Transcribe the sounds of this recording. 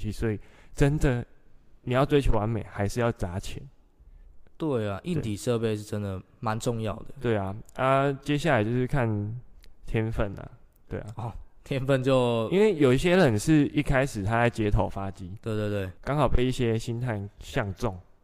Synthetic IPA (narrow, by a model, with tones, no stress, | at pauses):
i˧˩swɔ˧˥i˨˩ʈ͡ʂə˦nd̪ə˨ni˨˩jɑ˥˩ʊt͡swe˥ɪt͡ɕʰi˨˩wa˧˦nme˨˩ɪxa˧˥ɪʂɻ̩˥˧jɑ˥˩ʊt͡sa˨˦t͡ɕʰjɛ˨˦n | t̪we˥˩ɪa˨˩ʔi˥˨n˩t̪ʰi˨˩ʂɤ˥˧pe˥˧ɪʂɻ̩˥˩ʈ͡ʂə˦nd̪ə˨˩ | ma˨˦nʈ͡ʂʊ˥˧ŋjɑ˥˨˩ʊd̪ə˨t̪we˥˩a˩a˥˧t͡ɕjɛ˦ɕ̬ja˥˩la˨˩ɪt͡ɕjo˥˧ʊʂɻ̩˥˧˩kʰa˥˨nt̪ʰjɛ˦nfə˥˩na̰˨˩ | t̪we˥˩ɪa˩ɔ˨˩t̪ʰjɛ˦˥nfə˥˧nt͡ɕjo˥˨˧ʊi˦nwe˥˩ɪjo˨˩i˥˩ɕ̬jɛ˦˥lə˨˩nʂɻ̩˥˧i˥˧kʰa˦ɪʂɻ̩˨˩t̪ʰa˦la˧˥ɪt͡ɕjɛ˧˥t̪ʰo˨˩ʊfa˦t͡ɕi˦˥t̪we˥˧ɪt̪we˥˧ɪwe˥˩ɪkɑ˥ŋxɑ˨˩ʊpe˥˧ɪi˥˩ɕjɛ˦ɕi˦nt̪ʰa˥˧nɕjɑ˥˧ŋt͡sɔ˥˩ŋ